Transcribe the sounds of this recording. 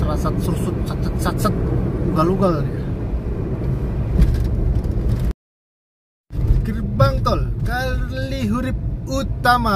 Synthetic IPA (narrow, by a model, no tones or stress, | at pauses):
ɾasat̪̚sursut̪̚t͡ʃat̪t͡ʃət̪̚t͡ʃat̪̚sət̪̚uuɡaluɡalja | kirbaŋkɔlkaliɦuɾip̚ut̪ama